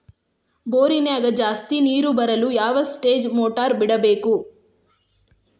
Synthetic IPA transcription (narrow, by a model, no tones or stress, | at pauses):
boːɾineɐɡɐd͡ʒaːst̪iniːɾubɐɾɐlujaːʋɐsʈeːd͡ʒmoːʈaːɾbiɽɐbe̞ːku